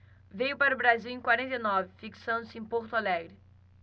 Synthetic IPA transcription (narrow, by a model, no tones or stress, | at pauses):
vejʊpaɾʊbɾaziwẽj̃kwaɾẽnt̪ejnɔvɪfiksɐ̃nd̪ʊsɪẽj̃poɾt̪alɛɡɾʊ